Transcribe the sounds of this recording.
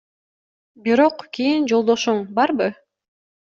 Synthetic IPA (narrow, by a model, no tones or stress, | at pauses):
biɾo̞qkʲijind͡ʒo̞lˠd̪o̞ʃuɴbɑɾbɯ